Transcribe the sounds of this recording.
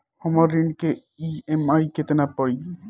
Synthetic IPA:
hɔmɔɾːiɳɖke | iemajket̪enapɔɽi

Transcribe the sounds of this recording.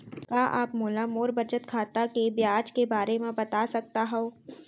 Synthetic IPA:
kaːʔa̰ːpmoːlamoːɾbɐt͡ʃət̪kʰaːt̪akebjaːd͡ʒkebaːɾemẽbɐt̪asɐk̚t̪aɦɛoː

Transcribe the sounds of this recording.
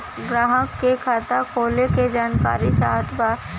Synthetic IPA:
ɡɾaːɦəkːekʰat̪akʰoːleked͡ʒaːnka̰ːɾit͡ʃaːt̪ba

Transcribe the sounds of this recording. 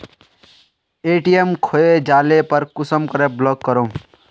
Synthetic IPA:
eːʈijemkʰoed͡ʒaːlepəɾkʊsəmkəɾeblɔkːəɾõ

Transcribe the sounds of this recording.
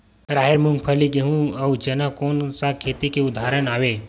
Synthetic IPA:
ɾaːɦeɾmʊ̃ŋɡ̚pʰəliɡeɦũɐwd͡ʒɐnakoːnsakʰeːt̪ikeʊd̪ʱaːɾənaːʋe

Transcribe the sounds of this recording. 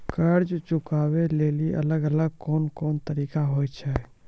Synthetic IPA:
kəɾd͡ʒt͡ʃʊkaːweleːliʔɐ̰ləɡələɡ̚kɔːnkɔːnt̪əɾiːkaɦoːjt͡ʃʰɛ

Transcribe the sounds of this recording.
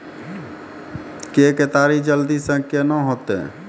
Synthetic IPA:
keket̪aɾid͡ʒəld̪isə̃ŋkʰjənəɦot̪ḛ

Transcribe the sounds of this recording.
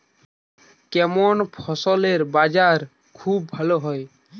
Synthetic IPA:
kemɔnpʰɔsɔleɾbad͡ʒaɾ | kʰub̚ːʱəloɦɔj

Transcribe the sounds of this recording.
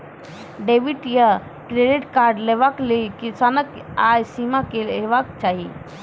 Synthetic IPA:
ɖebiʈja | kɾeɖiʈkaɾɖlebaklekisanək | ajsimakelebakt͡ʃaɦi

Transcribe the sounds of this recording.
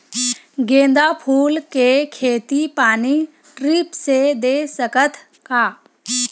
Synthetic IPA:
ɡẽːnd̪apʰuːlkekʰeːt̪ipaːni | ʈɾiːpsed̪eːsəkət̪ʰ | kaː

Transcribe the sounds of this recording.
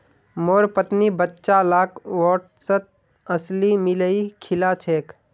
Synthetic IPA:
moːɾpət̪nibətːʃalaːkʰwɔːʈsət̪̚ | əslimɪləikʰɪlat͡ʃʰeːk

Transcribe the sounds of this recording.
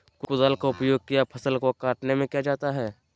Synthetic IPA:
kʊkʊd̪alkoʊpjoːɡ̚kijapʰɐsəlkokaːʈnemẽkijad͡ʒaːt̪aɦɛː

